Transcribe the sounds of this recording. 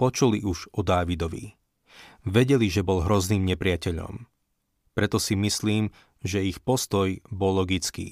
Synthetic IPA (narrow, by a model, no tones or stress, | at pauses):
pɔt͡ʃuliʔuʒɔd̪aːʋid̪ɔʋḭ | ʋɛɟɛliʒɛbɔlɦɾɔzniːmɲɛpɾɪacɛʎɔ̰m | pɾɛt̪ɔsimisliːm | ʒɛixpɔst̪ɔjbɔlːɔɡit͡skḭː